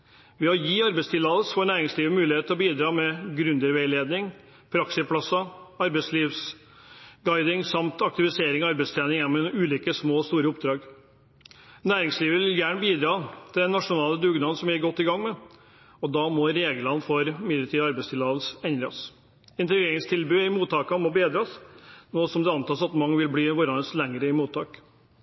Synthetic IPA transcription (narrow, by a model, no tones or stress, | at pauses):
ʋɪɔjiːɑɾbɛɪst̪ʰɪlɑːʋ̪l̩sfoːɳæːɾɪŋsliːʋəmʉːlɪheːt̪ʰlɔbiːd̪ɾɑːmɛɡɾʉnd̪əɾʋɛɪleːd̪nɪŋ | pʰɾɑksɪpʰlɑsɑɑɾbɛɪsliːʋs | ɡɑɪd̪ɪŋsɑmt̪ʰɑk̚t̪ɪʋɪseːɾɪŋɔɑɾbɛɪst̪ʰɛːnɪŋjɛnːmɛʉːliːkəsmoːst̪uːɾəʊpd̪ɾɑːɡ | næːɾɪŋsliːʋəʋɪljæːɳəbiːd̪ɾɑːt̪ʰɪld̪ɛnːɑʂʊnɑːləd̪ʉɡnɑnsɔmjæɾɡɔt̪ːɪɡɑŋːmɛ | ɔd̪ɑːmɔɾeːɡlɑnfɔɾmɪlət̪ʰiːd̪ɑɾbæɛɪst̪ʰɪlɑːʋəlsɛnd̪ɾɑs | ɪnt̪ɛɡɾeːɾɪŋst̪ʰɪlbʉːɪmuːt̪ʰːɑːkɑmɔbeːd̪ɾɑsnoːsɔmd̪ɛɑnt̪ɑːsɑt̪mɑŋːəʋɪlbliːʋɔɾɑnəslɛŋɾəɪmuːt̪ʰːɑːk